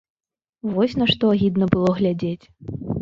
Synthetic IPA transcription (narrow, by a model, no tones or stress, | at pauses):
vɔsʲnɐʂt̪ɔaɣʲid̪nɐbɨlˠɔɣlʲad͡zʲet͡sʲ